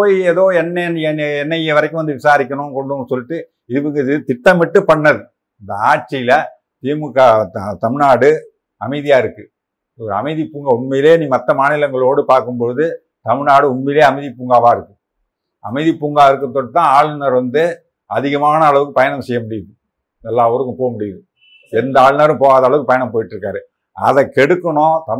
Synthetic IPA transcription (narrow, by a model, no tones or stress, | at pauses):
poːjeːðoːɛnːɛnɛnːɐjɐʋɐɾɐkːɯ̃ʋɐnd̪ɯʋɪsaːɾɪk̬ʲːɐɳõːkɔɳɖɯ̃ːnːɯsɔlːɪʈːɯ | ɪɯʋɯŋɡɐt̪ɪʈːɐmʋɪʈːɯpɐɳːɐðɯ | ɪnd̪ɐaːɾ̚t͡ʃːɪjɪlɐ | t̪iːmɯkːaːt̪ɐmɪnaːɽɯ | ɐmɐɪðɪjaːɪɾɯkːɯ | oɾɐ̰mɐɪðipːuːŋɡaʊɳmɛjɪleːniːmɐt̪ːɐmaːnɪlɐŋɡɐɭoːɽɯpaːɾkɯmpoːðɯ | t̪ɐmɪnaːɽɯʊmmɛleːɐmɐɪðipuːŋɡaːʋaːɪɾɯkːɯ̥ | ɐ̰mɐɪðipːuːŋɡaːɪɾɯkːɯt̪ːɔʈːɯt̪ːãːaːɭɯnɐɾʋɐnd̪ɯ | ɐðɪɣɐmaːnɐːɭɐʋɯkːɯpɐjɐnɐmsɛjːɐmʊɽɪjɐðɯ | ɛlːaːɔɾɯkːɯpoːɣɐmʊɽɪjɐðɯ | ɛnd̪ɐaːɻɯnɐɾɯ̃poːɣaːðɐɭɐʋɯkːɯpɐjɐnɐmpoːjɪʈːɾɯkːaːɾɯ | ɐ̰ðɐkːɛɽɯkːɐɳõːt̪ɐ